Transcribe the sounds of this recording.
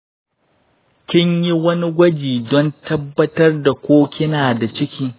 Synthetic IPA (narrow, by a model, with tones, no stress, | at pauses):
kʲɪ˦ɲji˦wɐ˦ni˦ɡʷɐ˦d͡ʒiː˨dɔ˦ntʰɐ˦bːɐ˦tɐ˦rda˨kʷoː˦kʲɪ˦naː˨da˨t͡ʃɪ˦kʲiː˦